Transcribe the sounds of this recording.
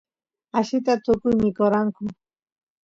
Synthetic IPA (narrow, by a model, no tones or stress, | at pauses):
aʃɪt̪at̪ʊkʊjmɪkoɾaŋkʊ